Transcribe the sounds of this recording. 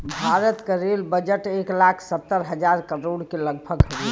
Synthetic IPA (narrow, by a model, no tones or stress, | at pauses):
bʱaɾət̪keɾelbəd͡ʒəʈeklakʰsət̪ːəɾɦəd͡ʒaɾkəɾoɽkeləɡbʱəɡɦəi